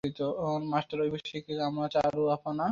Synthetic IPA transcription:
it̪onmasʈaɾojbiʃikiamɾat͡ɕaɾuafana

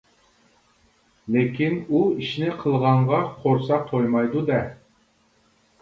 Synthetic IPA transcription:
lekʲʰinuiʃnɪqʰəlˠʁɑɴʁɑqʰoɾsɑq̚t̪ʰojmɑjd̪ud̪ɛ

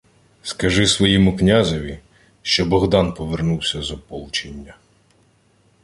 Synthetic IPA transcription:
skɐʒɪsʋɔjimʊknʲazɔʋʲi | ʃt͡ʃɔbɔɣd̪ɑnpɔʋernuwsʲɐzɔpɔlˠt͡ʃenʲːɐ

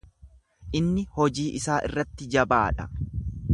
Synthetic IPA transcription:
ʔɪnːɪhɔd͡ʒiːʔɪsaːʔɪ̰rːɐt̪ːɪd͡ʒɐbaːᶑɐ

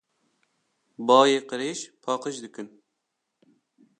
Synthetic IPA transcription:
bɑːjeːqəɾeːʃpʰɑːqəʃd̪ɨkɨn

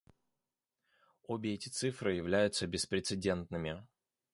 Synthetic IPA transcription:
obʲɪɛtʲɪ̥t̪sɨfɾɨjɪvlʲæjʊt̪səbʲɪspɾʲɪt̪sɨdʲe̞nt̪nɨmʲɪ

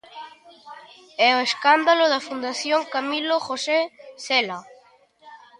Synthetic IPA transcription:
ɛoeskand̪aloðɐfund̪aθjoŋkamiloxosesɛla

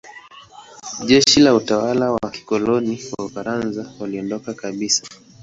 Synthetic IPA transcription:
ʄɛʃilautawalawaki̥kɔlɔniwaufaɾanzawaliɔndɔkakaɓisḁ

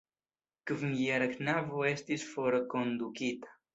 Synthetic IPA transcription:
kəvŋiɛɾɐknavoest̪isfoɾɐkond̪ukit̪

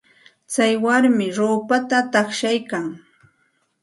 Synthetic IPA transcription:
t͡sajwaɾmɪɾoːpat̪at̪ɑχʃajkaŋ

